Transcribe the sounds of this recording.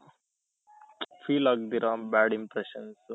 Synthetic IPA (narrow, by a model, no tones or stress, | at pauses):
fiːlak̚d̪iɾãːbæːɖĩmpɾeʃɐ̃ns